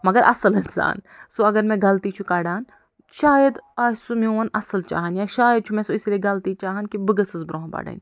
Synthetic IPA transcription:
mɐɡɐɾʔɐ̰sɐlɪnsa̰ːn | soɐɡɐɾmẽɡɐlt̪it͡ʃʰukaːɖaːn | ʃaːjɐd̪aːsumiuɐnɐsɐlt͡ʃa̰ːɦɐnjaːʃaːjəd̪̚t͡ʃʰumẽːsoislieɡɐlt̪it͡ʃaːɦɐnkibɨɡɐsɨzbɾõɦba̰ːɖə̰ːn

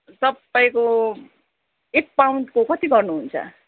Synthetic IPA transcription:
t̪ʌpaĩko | ek̚pawnʈkokʌt̪iɡʌrnuɦunt͡sʰʌ̰

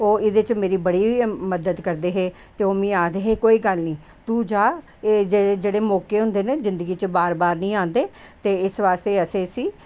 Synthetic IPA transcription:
oːɪd̪et͡ʃmeːɾiːbəɽiːʋiːməd̪əd̪kəɾd̪eːɦeː | t̪eːoːmĩːaːd̪eːɦeːkoːiːɡəlnĩː | t̪uːd͡ʒaː | eːd͡ʒeːed͡ʒeːɽeːmɔːkeːɦʊ̃nd̪eːneːzɪ̃nd̪əɡiːt͡ʃbaːɾbaːɾnĩːãːnd̪eːt̪eːɪsʋaːst̪eːəseːsiː

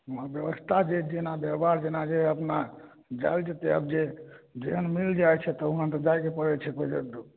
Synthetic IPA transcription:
uɦabjəbəst̪ʰad͡ʒed͡ʒenabjəbaɾd͡ʒenad͡ʒeəpna | d͡ʒa̰jld͡ʒet̪ɛə̰bd͡ʒed͡ʒeɦənmild͡ʒajt͡ʃʰɛt̪ɔuɦant̪əd͡ʒajkepəɾɛt͡ʃʰɛkoid͡ʒə̰d̪

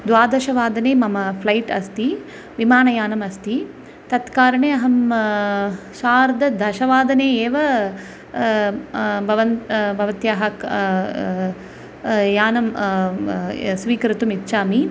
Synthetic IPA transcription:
d̪ʋaːd̪ɐʃɐʋaːd̪ɐneːmɐmɐpʰlɐjʈɐst̪i | ʋimaːnɐjaːnɐmɐst̪i | t̪ɐt̪kaːɾɐɳeːɐɦɐm | ʃaːɾd̪ɐd̪ʱɐʃɐʋaːd̪ɐneːeːʋɐ | bʱɐʋɐnbʱɐʋɐt̪jaːɦɐk | jaːnɐm | sʋiːkɐɾit̪umit̪ːʃaːmi

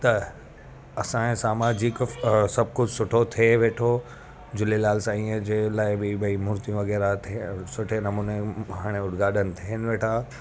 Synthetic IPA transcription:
t̪ɐ | ɐsãsaːmaːd͡ʑɪksɐb̚kʊd͡ʑʱsʊʈʰot̪ʰieʋeːʈʰo | d͡ʑʊlelaːlsãĩːə̃d͡ʑelaːɪbɪbɐimʊɾt̪ijũʋɐɣɛːɾat̪ʰsʊʈʰenɐmuːneɦaːɽ̃eʊɽɡaːɗənɪ̆t̪ʰiɦɪnɪʋeːʈʰa

